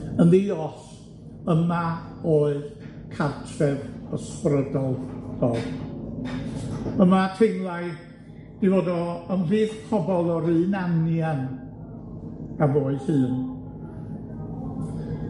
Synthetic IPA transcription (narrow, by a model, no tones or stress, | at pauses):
ənðiɔɬ | əma | oːɨð | kʰartʰrɛvɔsprədɔlˠpʰɔð | əmatʰeŋlˠaj | d̥ivodɔəmbɨːð̥pʰɔbɔlˠɔɾɨːnanjan | avoːɨð̥hɨːn